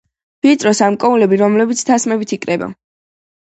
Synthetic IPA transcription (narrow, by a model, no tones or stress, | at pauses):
b̥it̪ʼɾɔsamkʼɔulɛbiɾɔmlɛbit̪sʰt̪ʰasmɛbit̪ʰikʼɾɛba̰